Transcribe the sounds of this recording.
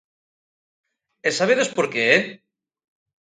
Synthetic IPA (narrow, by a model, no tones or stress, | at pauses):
esaβeðospoɾkee